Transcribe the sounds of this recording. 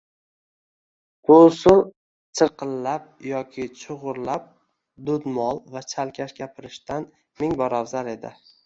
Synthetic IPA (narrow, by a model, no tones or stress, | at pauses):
bʊsʊl | t͡ʃʰɨɾqɨlːap̚jɒkʲʰɪt͡ʃʰʊʁʊɾlap̚ | d̪ʊd̪mɒlˠvat͡ʃʰalkʲʰaʃɡʲapʰɪɾɪʃt̪an | mɪŋbɒɾawzale̞d̪ɪ̰